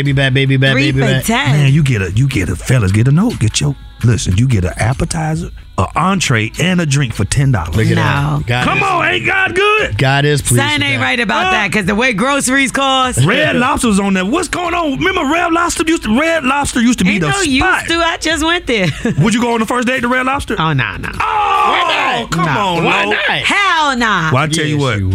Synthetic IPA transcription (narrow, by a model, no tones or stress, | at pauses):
ɪbibæd̚beɪbibæeɪbĩtʰæmæ̃njɨɡɛɾɨjɨɡɛɾɨfɛlˠəzɡɛɾənoʊt̚ɡ̥ɛt͡ʃoʊt̚ | lɪsɨ̰̃njɨɡɛɾɨ̰ʔæpətʰaɪzə˞ | ə̰ʔɑ̃ntʰɹ̥eɪɨ̃nɨdɹɪ̃ŋkfə˞tʰɛ̃ndɑ̰lˠə˞knaʊɡɑkʰʌ̃mə̃nẽɪ̃nɡ̥ɑd̚ɡʊd̚ɡ̥ɑɾɪspʰl̥iãneɪɹaɪɾɨbaʊt̪̚ðæt̚kʌzðəweɪɡɹoʊsə˞iz̥kʰɔsɹɛdˡlɑb̥stə˞zn̩ðəwʌtsɡ̥oʊɪ̃ŋə̃nmɛ̃mbə˞ɹɛblɑb̥stə˞jʉstəɹɛdˡlɑb̥stə˞jʉstɨbiɾəojaɪstɨaɪd͡ʒʌst̚wɛ̃nðə˞wəd͡ʒɨɡoʊə̃nðəfɜ˞sd̥eɪtəɹɛdˡlɑb̥stə˞oʊno̰ʊno̰ʊowkʰʌ̃mɔ̃noɪhanɑwaɪtʰɛlˠjɨwʌt̚